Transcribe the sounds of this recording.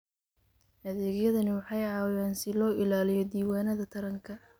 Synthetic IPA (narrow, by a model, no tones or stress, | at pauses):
hɐðɛːɣjɐðɐnɪwɑħɑjʕɑːwjɛːnsɪlɔːʔɪlaːlɪjɔd̪iːwaːnɐðɐt̪ʰɐɾɐŋkʰɐ